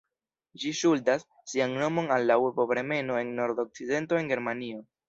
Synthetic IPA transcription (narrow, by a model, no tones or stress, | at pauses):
d͡ʒiʃuldasːiaŋno̞mo̞nalːawebobɾe̞me̞no̞e̞nːo̞ɾdo̞k̚t͡side̞nto̞e̞ŋɡe̞ɾmanio̞